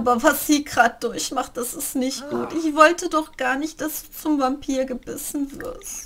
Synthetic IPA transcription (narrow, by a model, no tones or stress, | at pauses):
aːbɐvasz̥iːɡʁaːt̚d̥ʊɐçmaχt̚d̥asɪstnɪçt̚ɡ̥uːtʔɪçv̥ɔltədɔχɡ̥aːɐnɪçt̚d̥asd̥uːt͡sʊmvampʰiːɐɡəbɪsn̩vɪ̰ɐst